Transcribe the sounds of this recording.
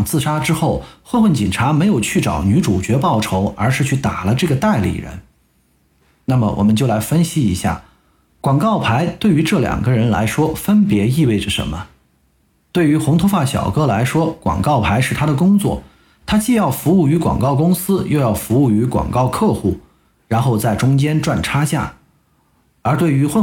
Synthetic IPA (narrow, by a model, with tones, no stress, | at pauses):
ŋt͡sɹ̩˥˩ʂa˥ʈ͡ʂɻ̩˥xo˥˩ʊxo˥˧ʊwə˥˩nt͡ɕi˨˩nʈ͡ʂʰa˧˥me˧˥ɪjo˨˩ʊt͡ɕʰy˥˩ʈ͡ʂɑ̰˨˩ʊny˧˥ʈ͡ʂu˨˩t͡ɕɥɛ˧˥pɑ˥˩ʊʈ͡ʂʰo˧˥ʊə˞˧˥ʂɻ̩˥˧t͡ɕʰy˥˩t̪a˨˩lə˦ʈ͡ʂɤ˥˩ɡə˩t̪a˥˩ɪlḭ˨˩ɻə̰˧˥n | na˥˩mə̰˩wʔɔ̰˨˩mə˦nt͡ɕjo˥˩ʊla˧˥ɪfə˥nɕi˥i˧˥ɕja̰˥˩ | kwɑ˨˩ŋkɑ˥˩ʊpʰa˧˥ɪt̪we˥˩ɪy˧˥ʈ͡ʂɤ˥˩ljɑ̰˨˩ŋɡə˦ɻə˧˥nla̰˧˥ɪʂwɔ˥fə˥npjɛ˧˥i˥˧we˥˩ɪʈ͡ʂə˩ʂə̰˧˥nmə˧ | t̪we˥˩ɪy˧˥xʊ˧˥ŋt̪ʰfa˥˩ɕjɑ̰˨˩ʊkɤ˥la˧˥ɪʂwɔ˥kwɑ̰˨˩ŋkɑ˥˩ʊpʰa˧˥ɪʂɻ̩˥˩t̪ʰa˥d̪ə˨kʊ˥ŋt͡swɔ̰˥˩ | t̪ʰa˥t͡ɕi˥˧jɑ˥˩ʊfu˧˥u˥˩y˧˥kwɑ̰˨˩ŋkɑ˥˩ʊkʊ˥ŋsɹ̩˥jo˥˧ʊjɑ˥˩ʊfu˧˥u˥˩y˧˥kwa̰˨˩ŋkɑ˥˧ʊkʰɤ˥˧xu˥˩ | ɻa˧˥nxo˥˧ʊt͡sa˥˩ɪʈ͡ʂʊ˥ŋt͡ɕjɛ˥nʈ͡ʂwa˥˧˩nʈ͡ʂʰa˥ɕja̰˥˩ | ə˞˧˥t̪we˥˩ɪy˧˥x